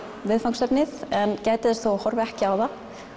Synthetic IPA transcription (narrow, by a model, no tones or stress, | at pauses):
vɪðfawŋkst̪ɛpnɪðɛncɛːjt̪ɪðɛst̪θohɔɾvɪɛhcɪaːwða